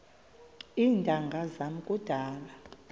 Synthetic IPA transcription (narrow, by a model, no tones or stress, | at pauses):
iːndʱʼaŋɡʱazam̩kʼud̥ʱaːla